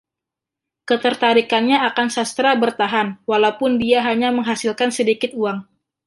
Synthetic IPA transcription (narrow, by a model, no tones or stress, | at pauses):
kət̪ərt̪aɾikanɲaakansast̪ɾabərt̪aɦanwalaupʊndiaɦaɲaməŋɦasilkansədikɪt̪̚uaŋ